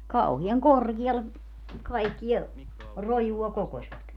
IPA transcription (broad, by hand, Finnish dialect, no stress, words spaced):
kɑuhiɑŋ korɡ̊iɑlːe kɑikːiɛ rojuɑ kokosʲʋɑt